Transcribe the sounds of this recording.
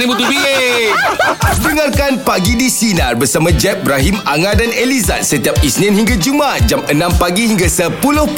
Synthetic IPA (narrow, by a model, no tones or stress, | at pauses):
ibut̪ubi | dəŋarkanpaɡidisinarbərsamãd͡ʒɛp̚bɾaɦimaŋãdaneliza̰t̪̚sət̪iap̚isnĩnhiŋɡad͡ʒumat̪̚d͡ʒamənãmpaɡihiŋɡasəpulʊh